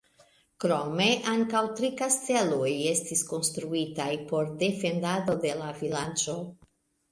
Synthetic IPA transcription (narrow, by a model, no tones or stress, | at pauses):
kɾome̞ʔaŋkawtɾikasteloje̞stisko̞nst̪ɾuitajpo̞ɾde̞fe̞ndado̞de̞lavilant͡ʃo̞